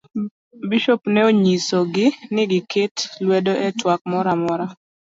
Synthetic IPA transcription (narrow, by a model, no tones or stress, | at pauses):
biʃopnɛoɲisoɡɪnɪɡɪketlwɛdoʔɛtwak̚mɔɾamɔɾa